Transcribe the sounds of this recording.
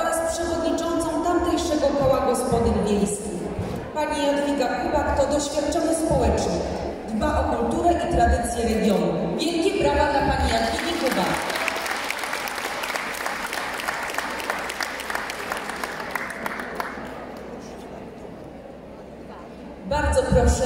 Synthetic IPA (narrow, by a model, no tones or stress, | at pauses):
ɔɾaspʂɛvɔd̪ɲit͡ʂɔnt̪sɔ̃w̃t̪amt̪ɛjʂɛɡɔkɔwaɡɔspɔd̪ɘvʲjejskʲix | paɲijad̪vʲiɡakubakt̪ɔd̪ɔɕfʲjat̪̚t͡ʂɔɲɛspɔwɛt͡ʂnɔ | d̪baʔɔkult̪uɾɛʔit̪ɾad̪ɘt̪sʲjɛɾɛɡʲjɔnubʲjɛŋkʲipɾavad̪lapaɲijad̪vʲiɡʲikuba̰k | baɾd̪zɔpɾɔʂɛ